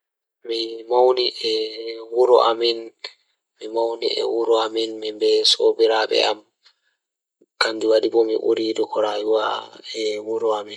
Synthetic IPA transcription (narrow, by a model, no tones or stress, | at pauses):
mimawniʔɛwuɾɔ̰ʔamin | mimawnḭɛ̰wuɾɔaminmimbɛsobiɾaːɓɛ̰am | kandiwadibɔmiʔṵɾidɔkɔɾajuwaɛwuɾɔamin